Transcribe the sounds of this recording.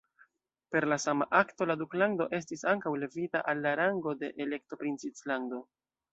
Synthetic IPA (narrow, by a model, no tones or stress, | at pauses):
pe̞ɾlasamaʔakto̞laduklando̞ʔe̞s̬tisaŋkawle̞vitaʔalːaɾaŋɡo̞de̞ʔele̞k̚to̞pɾint͡sit͡slando̞